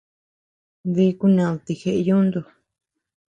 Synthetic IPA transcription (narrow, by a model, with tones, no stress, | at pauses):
ði˧˦ku˧nã˧˨t̪i˧xe˧ʔjũ˦nd̪u˧